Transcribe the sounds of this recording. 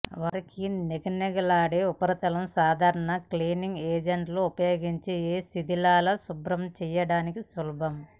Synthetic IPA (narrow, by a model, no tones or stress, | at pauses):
ʋɐɾɐkineɡɐneɡɐlaːɽeːupɐɾɐt̪ɐlɐmsaːd̪ʱaːɾɐɳɐkliːniŋɡeːd͡ʒɐɳʈloːupɐjoːɡiɲt͡ʃejeːsid̪ʱilaːlɐsubɾɐmt͡ʃɛjɐɽaːnikisulɐbʱɐm